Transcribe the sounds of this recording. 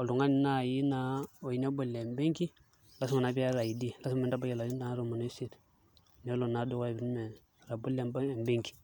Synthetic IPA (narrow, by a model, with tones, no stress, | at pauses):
o˨lu˨ŋa˦ni˨na˦˨ji˦na˦o˨i˨ne˦bu˨lːe˨mbe˦ŋki˦ | la˦su˦ma˨na˨bi˦a˦ɾa˨ji˨di˦˨la˦su˦mmi˦nda˦ba˦ke˨la˨ji˦nda˦ŋ˦ɾo˦˨mu˨no˦si˦˨t | ne˦lo˨na˨˦du˦ka˦˨bi˨n˦me˨ | ɾa˨bu˦le˨mba˦˨mbe˦ŋki̥˨